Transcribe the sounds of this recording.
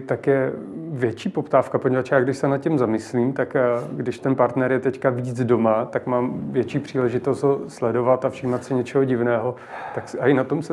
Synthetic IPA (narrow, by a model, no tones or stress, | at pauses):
t̪akjɛvjɛt͡ʃiːpo̞pt̪aːfkapo̞ɲɛvat͡ʃjaːɡdɪʃsɛnat̪̚cɛmzamɪsliːmt̪akɡdɪʃt̪ɛnpaɾt̪nɛɾjɛt̪ɛckaviːd͡zdo̞mat̪akmaːmvjɛt͡ʃiːpr̝̥iːlɛʒɪt̪o̞st̪ɦoslɛdo̞vat̪afʃiːmat̪sɪɲɛt͡ʃɛɦo̞ɟɪvnɛːɦo̞ | t̪aksaɪnat̪o̞msɛ